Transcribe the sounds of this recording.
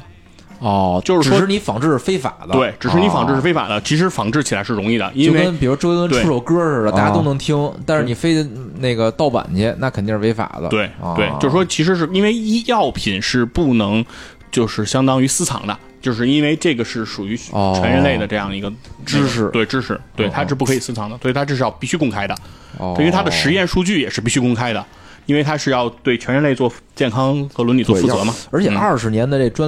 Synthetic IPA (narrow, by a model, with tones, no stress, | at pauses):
ɔ˥˩t͡ɕjo˥˧ʂɻ̩˥˧˨ʂwɔ˥ʂɻ̩˥˩ni˧˥fɑ˧˥ŋʈ͡ʂɻ̩˥˩ʂ̩˥˩fe˥ɪfa̰˨˩d̪ə˦e˥˩ɪʈ͡ʂɻ̩˨˩ɻ̩˥˩ni˧˥fɑ˧˥ŋʈ͡ʂɻ̩˥˧ɻ̩˧˥˩fe˥fa̰˨˩d̪ə˦t͡ɕʰi˧˥ʂɻ̩˧˥fɑ˧˥ŋʈ͡ʂɻ̩˥˩t͡ɕʰi˨˩la˧˥ɪʂɻ̩˥˩ɻʊ˧˥ŋi˥˩d̪ə̰˩i˥on˥˧we˥˧˥npɻu˧˥˧wlə˥t̪ʈ͡ʂe˥˩u˥˩ʂo˧˩ʊkɤ˥ʂə˨˩ə˩ta˥˧˩t͡ɕja˥t̪o˥ʊnɤ˧˥ŋt̪ʰi˥ŋt̪a˥˧nʂɻ̩˥˩ni˨˩fe˥ɪ | ne˥˩ɡə˩t̪ɑ˥˩ʊpa̰˨˩nt͡ɕjɛ˥na˥˩kʰə˨˩nt̪i˥˧ŋʂ̩ɻ̩˥˧˥ɪfa̰˨˩d̪ə̰t̪we˥˧˩ɪ˧we˥˩ɪt͡ɕo˥˧ʂɻ̩˥˩ʂwɔ˥t͡ɕʰi˧˥ʂ̬ɻ̩˧˥ʂɻ̩˥˧i˥nwe˥˧ɪi˥jɑ˥˩ʊpʰi˨˩nʂɻ̩˥˧pu˥˩nɤ˧˥ŋ | t͡ɕjo˥˧ʊʂɻ̩˥˩ɕjɑ˥ŋt̪ɑ˥ŋy˧˥sɹ̩˥t͡sʰɑ̰˧˥ŋd̪ə̰˧ | t͡ɕjo˥˧ʊʂɻ̩˥˧i˥nwe˥˧ɪʈ͡ʂɤ˥˩ɡə˩ʂɻ̩˥˩ʂu˨˩y˧˥t͡ɕʰɥɛ˧˥nɻə˧˥nle˥˩ɪd̪ə˩ʈ͡ʂɤ˥˧jɑ˥˩ŋd̪ə˩i˧˥ɡə˧ʈ͡ʂ̩˥ʂɻ̩˧t̪we˥˩ɪʈ͡ʂɻ̩˥ʂɻ̩˧˩t̪we˥˩ɪt̪ʰa˥ʈ͡ʂpu˥˩kʰɤ˧˥i˨˩sɹ̩˥t͡sʰɑ˧˥ŋd̪ə˧swi˨˩t̪ʰa˥ɤ˥˧ʂɻ̩˥˧jɑ˥˧ʊpi˥˩ɕy˥kʊ˥ŋkʰa˥ɪd̪ə˨˥˧ | t̪ʰa˥d̪ə˧˨ʂɻ̩˧˥jɛ˥˧nʂu˥˧t͡ɕy˥˩jɛ˨˩ʂɻ̩˥˧pi˥˩ɕy˥kʊ˥ŋkʰa˥ɪd̪ə˨ | i˥nwɪt̪ʰa˥ʂɻ̩˥˧jɑ˥˧ʊt̪we˥˩ɪt͡ɕʰɥɛ˧˥nɻə˧˥nle˥˧ɪt͡swɔ˥˧t͡ɕjɛ˥˩nkʰɑ˥ŋxɤ˧˥lwə˧˥nli˨˩tt͡swɔ˧fu˥˩˧t͡sɤ˧˥mɐ˧ə˞˧˥t͡ɕʰɛ˨n˥ɐ˞˥˩ʂɻ̩˧˥njɛ˧˥nd̪ə˧ʈ͡ʂe˥˩ə˩ʈ͡ʂa˥